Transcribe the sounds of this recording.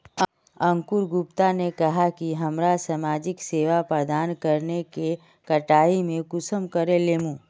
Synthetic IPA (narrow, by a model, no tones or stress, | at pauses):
ɐ̃ŋkʊɾɡʊpt̪anekɐɦakiɦɐmɾasamaːd͡ʒɪkseːʋapɾəd̪aːnkɐɾneke | kɐʈaːimẽkʊsəmkɐɾeleːmũː